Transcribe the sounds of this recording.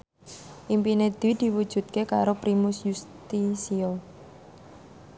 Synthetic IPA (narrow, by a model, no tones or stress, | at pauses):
ʔimpined̪̥id̪̥i̤wud̥ʒ̥ṳt̪̚kekaɾopɾimʊsjust̪isio